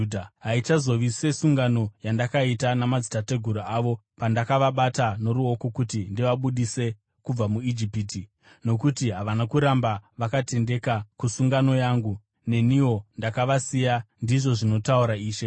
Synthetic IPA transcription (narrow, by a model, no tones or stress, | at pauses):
dɦait͡ʃazo̞ʋise̞suŋɡano̞jandakaitanamad͡zitate̞ɡʱuɾuaːʋo̞pandakaʋaɓatano̞ɾuo̞ko̞kutindiʋaɓuɗise̞ | kub͡vamuid͡ʒipiːti | no̞kutiɦaʋanakuɾambaʋakate̞nde̞kakusuŋɡano̞jaːŋɡu | ne̞niwo̞ndakaʋasijandiʐo̞ʐino̞tauɾaiːʃe̞